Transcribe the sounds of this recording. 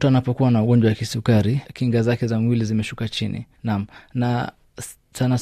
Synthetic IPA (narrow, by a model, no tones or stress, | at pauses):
tuanapɔkuwanauɠɔnd͡ʒwawakisukaɾikiŋɡazakɛzamwilizimɛʃukat͡ʃinḭ | nam̩na | sana